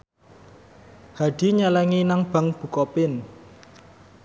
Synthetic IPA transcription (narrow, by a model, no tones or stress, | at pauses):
haɖ̥i̤ɲalɛŋinaŋb̥a̤ŋb̥ṳkɔpɪn